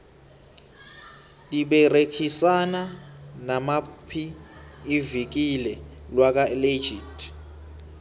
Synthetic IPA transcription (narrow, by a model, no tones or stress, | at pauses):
tʼiɓɛrekʰisananamapʰiː | vik̬ilɛlwak̬aled͡ʒʱiːtʰʼi̥